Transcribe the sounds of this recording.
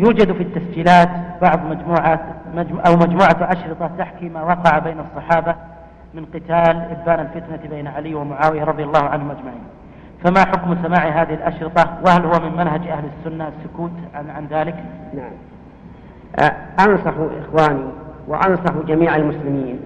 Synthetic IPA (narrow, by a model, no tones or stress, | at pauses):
juːd͡ʒad̪fit̪ːasd͡ʒiːlaːt̪bɑʕðˤmad͡ʒmuːʕaad͡ʒʔawmad͡ʒmuːʕaʔaʃɾɨt̪ˤɑt̪aħkimawɑːqɑʕabeːnɑsˤːɑħɑːba | mɪnqɪt̪aːlʔɪbːaːnalfɪt̪nabeːnaʕaliːwɪmʊʕaːwɪjaɾˤɑðˤjalːɑːhʊʕanhʊmʔad͡ʒmaʕiːn | famaħʊkmsamaːʕiɦaːðɪhɪlʔaʃɾɨt̪ˤɑwɪhalhʊwamɪmmanɦad͡ʒʔahlɪsːʊnːaasːʊkuːt̪ʕʕanðaːlɪknaʕam | ʔɑnsˤɑħʔɪ̰xwaːniwɪ̰ʔɑnsˤɑħd͡ʒamiːʕalmʊslɪmiːn